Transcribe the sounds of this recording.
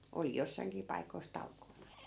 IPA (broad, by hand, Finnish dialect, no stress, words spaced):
oli josːɑi̯ŋkiː pɑikois tɑlkoːnɑ